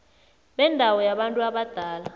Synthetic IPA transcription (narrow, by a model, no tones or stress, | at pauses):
ɓɛndʱawɔjaɓantʼuaɓad̥ʱaːla